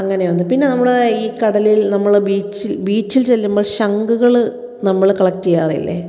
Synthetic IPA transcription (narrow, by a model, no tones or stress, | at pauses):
ɐŋːɐne̞ʋɐnːɨpinːe̞nɐmːuɭeiːkɐɽɐlilnɐmːɐɭbiːt͡ɕːilbiːt͡ɕːilt͡ɕe̞lːumboːɭɕɐŋɡuɣɐɭ | nɐmːɐɭkɐɭɐk̚tːijaːrḭlːḛ